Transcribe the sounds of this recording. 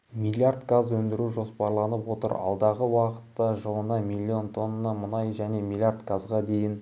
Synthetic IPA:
milʲiard̪ɡazwɵnd̪ɪɾuʒo̞spɑɾlˠɑnəpwo̞t̪ə̰ɾɑ̰lˠd̪ɑʁəwɑqə̥tt̪ːɑʒəlˠənɑmilʲːio̞nt̪ʰo̞nːənːɑmənɑjʒæne̞milʲˠijard̪ɡazʁɑd̪e̞jɪn

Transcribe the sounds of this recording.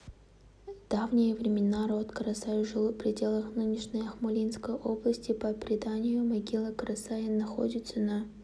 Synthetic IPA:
d̪̥avnʲɪjəvɾʲɪmʲɪnaɾo̞t̪kəɾɐsajʐɨlˠɨpɾʲɪdʲe̞lˠəxnɨnʲɪʂnʲəjɐxmʊlʲinskəjʔo̞blˠəsʲtʲɪpəpɾʲɪd̪anʲɪjʊmɐɡʲilˠəkəɾɐsajɪnɐxo̰dʲɪt̪səna

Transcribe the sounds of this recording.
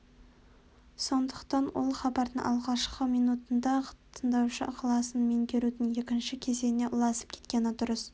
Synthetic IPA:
so̞nd̪əqt̪ɑnwo̰lˠχɑbɑɾd̪əŋʔɑ̰lˠʁɑʃqəmijnut̪ənd̪ɑqt̪ʰənd̪ɑwʃəʔʊqʰlˠɑsənmeŋkʲʰe̞ɾud̪ɪnje̞kʲɪnʃɪkʲʰe̞ze̞ne̞ʔʊlˠɑsə̥p̚kʲʰe̥t̪kʲe̞nɪt̪ʊɾəs

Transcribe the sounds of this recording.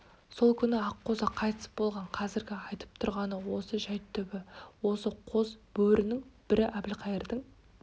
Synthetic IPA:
so̞lˠkʲʰʏnɪɑqːo̞zɑqʰɑjt̪əsə̥bo̞lˠʁɑɴqʰɑzɪɾɡʲɪɑjt̪ə̥p̚t̪ʰʊɾʁɑnəwo̞səʒæjt̪ʰːʏbɪwo̞səqʰo̞zb̥ɵɾʔɪnɪŋb̥ɪɾɪʔæbɪlqʰɑjəɾd̪əɴ

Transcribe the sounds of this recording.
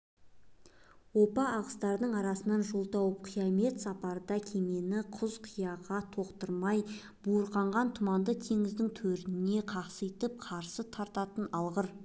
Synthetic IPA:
wopɑːʁə̥st̪ɑɾd̪əɴɑɾɑsənɑnʒolˠt̪ɑwəp̚qʰijɑme̞t̪sɑpɑɾəd̪ɑkʲʰe̞me̞nɪqʰʊzqʰijɑʁɑt̪ʰo̞qt̪əɾmɑj | buɾqɑɴʁɑnt̪ʰʊmɑnd̪ət̪ʰe̞ŋɪzd̪ɪŋt̪ʰɵɾt̪ɪne̞qʰɑqsəjt̪əp̚qʰɑɾsət̪ʰɑɾt̪ɑt̪ənɑlˠʁəɾ

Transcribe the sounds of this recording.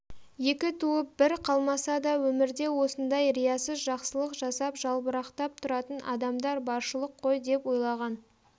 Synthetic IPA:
je̞kʲɪt̪ʰuəp̚bɪɾqʰɑlˠmɑsɑd̪ɑwɵmɪɾd̪e̞wo̞sənd̪ɑjɾijɑsəzʒɑqsəlˠəqʒɑsɑpʒ̥ɑlˠbəɾɑqt̪ɑp̚t̪ʰʊɾɑt̪ənʔɑ̰d̪ɑmd̪ɑɾbɑɾʃəlˠəqʰːo̞jd̪e̞pwo̞jlˠɑʁɑn

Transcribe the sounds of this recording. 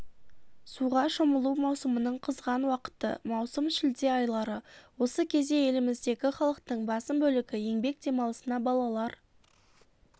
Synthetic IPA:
suʁɑʃoməlˠumɑwsəmənəɴqʰəzʁɑnwɑqə̥t̪ə̰mɑwsəmʃɪld̪e̞ɑjlˠɑɾəwo̞səkʲʰe̞zd̪e̞je̞lɪmɪzd̪e̞kʲɪχɑlˠəq̚t̪əɴbɑsəmbɵlɪɡʲɪje̞ŋbe̞k̚d̪e̞mɑlˠəsənɑbɑlˠɑlˠɑɾ

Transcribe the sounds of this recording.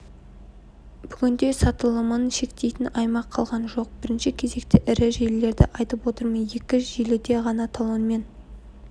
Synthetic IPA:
b̥ʏɡʲɪnd̪e̞sɑt̪əlˠəmənʃe̞kt̪e̞jt̪ɪnɑjmɑqʰːɑlˠʁɑnʒo̞q̚b̥ɪɾɪnʃɪkʲʰe̞ze̞kt̪ɪʔɪɾɪʒellːe̞ɾd̪ɪ̰ʔɑjt̪əpwo̞t̪əɾmənje̞kʲɪʒelɪd̪e̞ʁɑnɑt̪ʰolˠonme̞n

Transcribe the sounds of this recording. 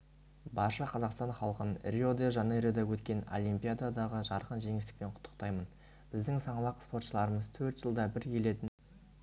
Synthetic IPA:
bɑʃɑqʰɑzɑqst̪ɑnχɑlˠqənrʲiod̪eʒɑneɾod̪ɑwɵt̪kʲe̞no̞lʲˠijmpʲijad̪ad̪ɑʁəʒɑɾqənʒe̞ŋɪst̪ɪ̥k̚pe̞ɴqʰʊ̥t̪ʰːə̥qt̪ɑjmən | b̥ɪzd̪ɪŋsɑɴlˠɑqspo̞ɾt̪ʃəlˠɑɾəməzt̪ʰɵɾt̪ʒ̥əlˠd̪ɑbɪɾkʲʰe̞le̞t̪ɪn

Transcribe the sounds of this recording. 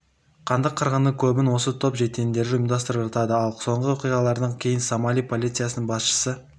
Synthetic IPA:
qʰɑnd̪əqʰːɑɾʁɑnəkʲʰɵbɪnwo̞sət̪ʰo̞pʒe̞t̪end̪e̞ɾʒɪmd̪ɑst̪əɾəpʒɑt̪ɑd̪əɑlˠso̞ɴʁəwoqijʁɑlˠɑɾd̪ɑŋkʲʰe̞jɪnsomɑlʲijpʰo̞lʲijt̪sɨjasənəɴbɑsʃə̥sə

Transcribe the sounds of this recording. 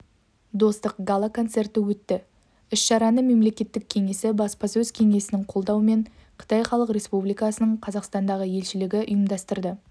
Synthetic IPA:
d̪o̞st̪əqɡalˠako̞nt̪se̞rt̪ɪwɵt̪ːɪ | ʏʃʃɑɾɑnəme̞mle̞kʲe̞t̪ːɪk̚ʲʰe̞ŋe̞sɪbɑspɑsɵzkʲʰe̞ŋe̞sɪnɪŋqʰo̞lˠd̪ɑwəme̞ɴqʰə̥t̪ɑjχɑlˠəqɾʲe̞spublijkɑsənəɴqʰɑzɑqst̪ɑnd̪ɑʁəje̞lʃɪlɪɡʲɪʔʊ̰jəmd̪ɑst̪əɾd̪ə

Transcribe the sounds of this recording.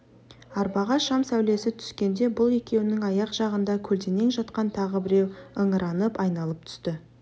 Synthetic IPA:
ɑɾbɑʁɑʃɑmsæwle̞sɪt̪ʰʏ̥skʲe̞nd̪e̞bʊlˠe̞kʲe̞wɪnɪŋɑjɑqʒ̥ɑʁənd̪ɑkʲʰɵlt̪e̞ne̞ŋʒɑt̪qɑnt̪ʰɑʁəbɪɾe̞wəɴəɾɑnəpɑjnɑlˠəp̚t̪ʰʏ̥st̪ɪ

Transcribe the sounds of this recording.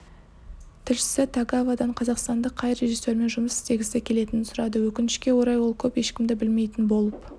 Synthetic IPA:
t̪ʰɪɾʃɪ̥sɪt̪ʰɑɡavɑd̪ɑɴqʰɑzɑqst̪ɑnd̪əqʰːɑjre̞ʒisːe̞ɾme̞nʒʊməsɪst̪ʰe̞ɡʲɪsekʲʰe̞le̞t̪ɪnɪnsʊɾɑd̪əwɵkʲɪnɪʃkʲe̞wo̞ɾɑjwo̞lˠkʲʰɵpje̞ʃkʲɪmd̪ɪbɪlme̞jt̪ɪnbo̞lˠəp

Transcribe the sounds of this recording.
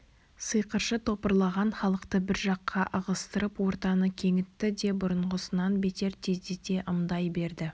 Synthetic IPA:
səjqəɾʃət̪ʰo̞pəɾlˠɑʁɑnχɑlˠəqt̪əbɪɾʒɑqʰːɑʔəʁəst̪əɾəpwo̞ɾt̪ɑnəkʲʰe̞ŋɪt̪ːɪd̪e̞bʊɾəɴʁəsənɑnbe̞t̪e̞ɾt̪ʰezd̪et̪e̞ʔəmd̪ɑjbe̞ɾd̪ɪ

